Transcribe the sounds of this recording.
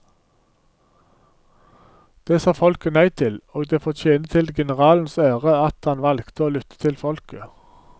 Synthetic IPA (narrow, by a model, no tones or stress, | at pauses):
d̪̥eːsɑːfɔlkənæɪt̪ʰɪloːɡd̪eːfɔt͡ʃʰeːnət̪ʰɪlɡɛnəʁɑːln̩sæːʁəɑt̪hɑnʋɑlkt̪əoːlʏt̪ʰə̥t̪ʰɪlfɔlkə